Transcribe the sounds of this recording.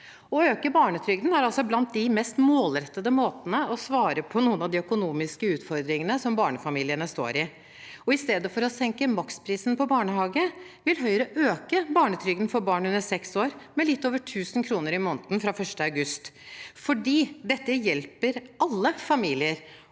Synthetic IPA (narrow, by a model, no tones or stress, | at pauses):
ɔøːkəbɑːɳət̪ʰɾʏɡd̪n̩æɾɑlsɔblɑnt̪̚d̪ɪmɛst̪moːlɾɛt̪ːəd̪əmoːt̪ənəɔsʋɑːɾəpʰɔnuːənɑd̪ɪœkʊnuːmɪskəʉːt̪fɔɾd̪ɾɪŋənəsɔmbɑːɳəfɑmiːlɪənəst̪o̰ːɾɪ | ɔɪst̪eːd̪əfɔɾɔsɛŋkəmɑkspʰɾiːsnpɔbɑːɳəhɑːɡə | ʋɪlɦœʏɾəʔøːkəbɑːɳət̪ʰɾʏɡd̪n̩fɔɾbɑːɳʉnəɾsɛksoːɾmɛlɪt̪ːoːʋəʈʰʉːsənkʰɾuːnəɾɪmoːnt̪n̩fɾɑfœʂʈəɑʉɡʉst̪fɔɖiːd̪ɛt̪ːəjɛlpəɾʔɑlːəfɑmiːlɪəɾ